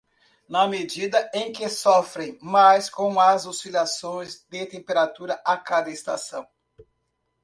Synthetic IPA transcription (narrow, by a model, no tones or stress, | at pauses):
nɐmed͡ʒid̪ɐẽj̃kɪsɔfɾẽj̃majskõw̃ɐzosilasõj̃zd̪ɪt̪ẽmpeɾat̪uɾɐʔakad̪ɐest̪a̰sɐ̃w̃